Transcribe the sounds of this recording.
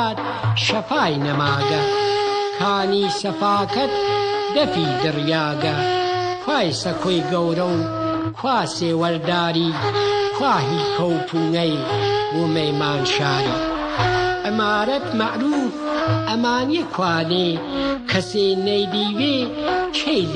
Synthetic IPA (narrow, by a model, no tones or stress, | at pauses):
t̪̚ | ʃɐfaːjnɐmaːɡɐkʰaːniːsɐfaːkɐt̪̚d̪ɐfiːd̪ɨrjaːɡɐkʰwaːjsɐkʰojɡɐwɾɐw | kʰwaːseːwɐɾd̪aːɾiːkʰwaːɦiːkʰɐwt̪ʰuːnɐjwʊmɐjmaːnʃaːɾḭː | ʔɪmaːɾɐt̪mɐʔɾuːfɐmaːnijɐkʰwaːneː | kʰɐseːnɐjd̪iːweːt͡ʃʰej